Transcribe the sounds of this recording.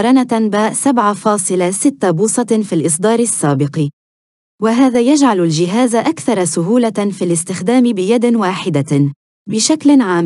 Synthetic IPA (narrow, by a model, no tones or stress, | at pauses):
ɾˤɑnabaːʔsabʕafɑːsˤɨlasɪt̪ːabuːsˤɑfilʔɨs̬ˤd̪ˤɑːɾˤɪsːaːbɪqi | waɦaːðaːjad͡ʒʕalald͡ʒɪɦaːzaʔakθɑɾˤɑsʊɦuːlafiːlɪst̪ɪxd̪aːmɪbɪjad̪waːħɪd̪a | bɪʃaklɪnʕaːm